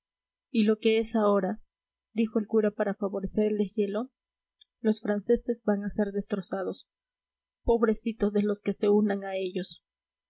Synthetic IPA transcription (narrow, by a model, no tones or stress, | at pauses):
ilo̞ke̞e̞sao̞ɾa | d̪ixo̞e̞lkuɾapaɾafaβo̞ɾe̞se̞ɾe̞ld̪ezje̞lo̞ | lo̞sfɾanse̞se̞zbaŋase̞ɾðe̞st̪ɾo̞sað̞o̞s | po̞βɾe̞sit̪o̞zðelo̞ske̞se̞unaŋae̞ʝo̞s